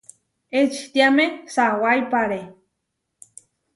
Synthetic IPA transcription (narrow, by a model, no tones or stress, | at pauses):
et͡ʃt̪iamẽsawajpaɾe